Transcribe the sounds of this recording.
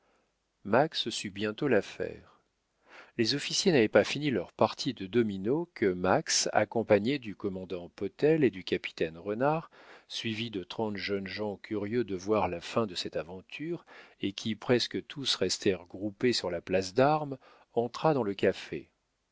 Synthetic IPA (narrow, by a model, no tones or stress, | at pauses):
makssybjɛ̃t̪olafɛ̰ːʁ | lezɔfisjenavɛpafinilœʁpaʁt̪ʰid̪əd̪ɔminokʰəmaksa̰kɔ̃paɲed̪ykɔmɑ̃d̪ɑ̃pɔt̪ɛled̪ykʲapi̥t̪ɛnʁənaʁsɥivid̪ət̪χɑ̃t̪ʒœnʒɑ̃kʰʲyʁjød̪əvwaʁlafɛ̃d̪əsɛt̪avɑ̃t̪ʰyʁekʲʰipχɛskət̪ʰusʁɛst̪ʰɛʁɡʁupesyʁlaplasd̪aʁm | ɑ̃t̪χad̪ɑ̃ləkʲafḛ